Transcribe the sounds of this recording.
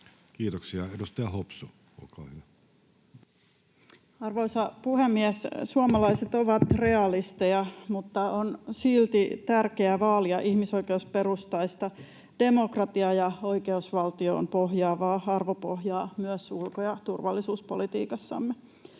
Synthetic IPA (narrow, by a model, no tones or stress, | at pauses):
kiːt̪oksiɑedust̪ɑjɑhopsu | o̰lkɑ̰ːhyʋæ | ɑrʋoisɑpuhemːiɛssuomɑlɑiset̪oʋɑt̪re̞ɑlist̪ejɑmut̪ːɑonsilt̪it̪ærkeæʋɑːliɑʔihmiso̞ikeusperust̪ɑist̪ɑ | d̥emokrɑt̪iɑjɑo̞ikeusʋɑlt̪io̰ːnpohjɑːʋɑːɑrʋopohjɑːmyøsulkojɑt̪urʋɑlːisuːspolit̪ḭːkɑsːɑ̰mːe